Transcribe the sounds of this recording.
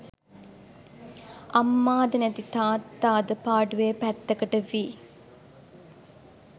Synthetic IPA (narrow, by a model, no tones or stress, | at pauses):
ɐmːaːd̪ənɛt̪it̪aːt̪ːaːd̪əpaːɖuʋeːpæt̪ːɐkəʈəʋiː